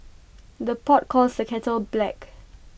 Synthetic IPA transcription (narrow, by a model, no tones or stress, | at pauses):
dəpɔt̚kʰɔlsdəkʰɛtəlblɛk